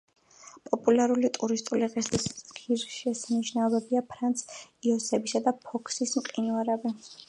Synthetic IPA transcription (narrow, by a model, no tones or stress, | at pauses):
pʼɔpʼulaɾulit̪ʼuɾist̪ʼuliʁɛst̪ʼisɡ̥iɾʃɛsaniʃnaɔbɛbiapʰɾant̪sʰiɔsɛbisad̪apʰɔkʰsismqʼinuaɾɛbi